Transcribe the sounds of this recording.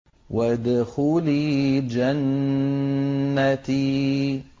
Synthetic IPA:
wad̪ʊxuːlid͡ʒan | at̪i

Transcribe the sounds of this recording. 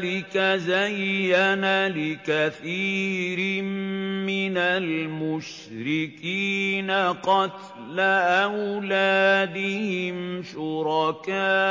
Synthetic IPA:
lɪkazajːanalɪkaθiːɾɪmɪnalmʊʃ | ɾɪkiːnaqɑt̪ | laʔawlaːd̪ɪhɪmʃʊɾɑkaː

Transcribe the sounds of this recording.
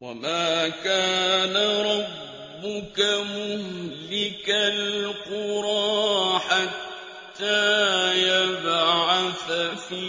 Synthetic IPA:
wa̰maːkaːnaɾˤɑbː | ʊkamʊhlɪkalqʊɾˤɑːħat̪ː | aːjabʕaθafi

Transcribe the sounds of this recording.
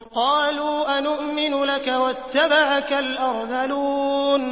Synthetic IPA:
qɑːluːʔanʊʔmɪnʊlakawat̪ːabaʕakalʔɑɾˤðaluːn

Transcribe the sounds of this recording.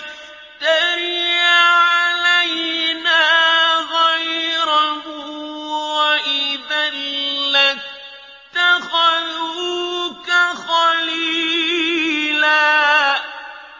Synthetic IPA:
t̪aɾjaʕalajnaːɣajɾalmʊ | ʔiðaɾila | t̪axaðukaxɑli | la

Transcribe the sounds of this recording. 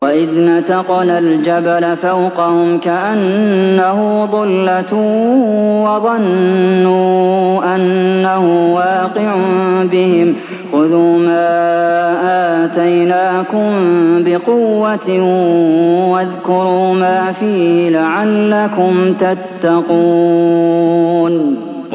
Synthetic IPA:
waʔɪðnat̪ɑqɑnald͡ʒabalafawqɑhʊmkaʔanːahʊðˤɑlːat̪uː | wɑðˤɑnːuːʔanːahʊmwɑːqɪʕʊbɪhɪm | xʊðuːmaːʔaːt̪ajnaːkʊmbɪqʊwːat̪ɪ | waðkʊɾuːmaːfiːhɪlaʕalːakʊmt̪at̪ːaquː | n

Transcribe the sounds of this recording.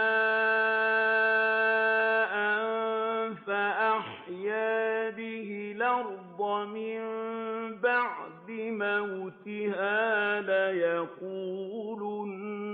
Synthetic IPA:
ʔanfaʔaħjaːbɪɦɪlɑɾd̪ɑmɪmbaʕd̪ɪmawʊt̪ɪhaːlajaquːl

